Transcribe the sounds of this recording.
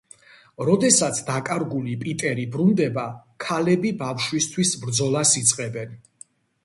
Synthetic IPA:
ɾɔd̪ɛsat̪sʰd̪akʼaɾɡulipʼit̪ʼɛɾibɾund̪ɛbakʰalɛbibafʃwist̪ʰwisbɾd̪zɔlˠasit̪sʼqʼɛbɛn

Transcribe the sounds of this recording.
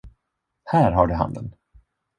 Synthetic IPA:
hæːɾɦaɖɵɦa̰nd̪ə̰n

